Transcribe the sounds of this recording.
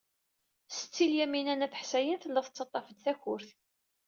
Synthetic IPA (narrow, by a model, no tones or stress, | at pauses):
sə̥t͡sːiljæminænæθə̥ħsæjənθəlːəðˤət͡sːɑt̪ˤːɑfəd̪θæçʊɾθ